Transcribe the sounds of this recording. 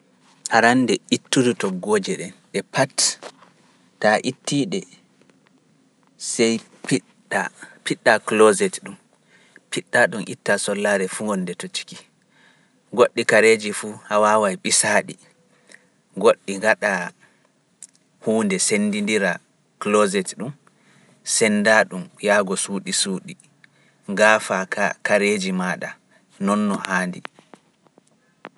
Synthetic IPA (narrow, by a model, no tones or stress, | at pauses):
haɾanːdɛitːudutɔɡːoːd͡ʒɛɗɛnɗɛpʰat | taʔitːiːɗɛ | sɛj | pi | apiɗːaklozɛtɗum | piɗːaɗumʔḭtːasɔlːaɾɛfuŋɡɔnːdɛtot͡ʃi̥ki̥ | ɡoɗːikaɾed͡ʒifuhawawajɓisaːɗḭ | ɡoɗːiŋɡaɗa | huːndɛsendindiɾa | klɔzɛtɗum | sɛndaɗumjaːɡɔsuːɗisuːɗi | ŋɡaːfakakaɾed͡ʒimaɗa̰ | nɔnːɔhaːndi